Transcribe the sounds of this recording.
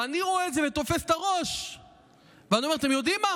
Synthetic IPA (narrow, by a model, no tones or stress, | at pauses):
aniʁo̞eːzevet̪o̞fest̪aʁoʃ | veaniomeat̪̬e̞mjo̞d̪imːa